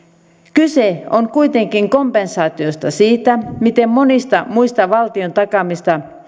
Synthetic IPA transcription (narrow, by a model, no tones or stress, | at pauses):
kyseoŋkuit̪e̞ŋkiŋko̞mpensɑːt̪io̞st̪ɑsiːt̪æmit̪emmo̞nist̪ɑmuist̪ɑʋɑlt̪iont̪ɑkɑmist̪ɑ